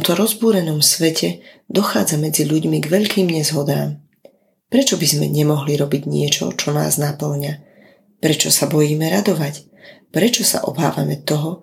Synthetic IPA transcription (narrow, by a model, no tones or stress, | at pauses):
mt̪ɔɾɔzbuːɾɛnɔmsʋɛcʰɛd̪ɔxaːd͡zamɛd͡ziʎuɟmiɡʋɛʎkiːmɲɛzɦɔd̪aːm | pɾɛt͡ʃɔbizmɛ̰ɲɛmɔɦliɾɔbiɟɲɪɛt͡ʃɔ̰t͡ʃɔna̰ːznapl̩ɲa | pɾɛt͡ʃɔsabɔjiːmɛɾad̪ɔʋac | pɾɛt͡ʃɔsa̰ʔɔ̰ba̰ːʋamɛt̪ɔɦɔ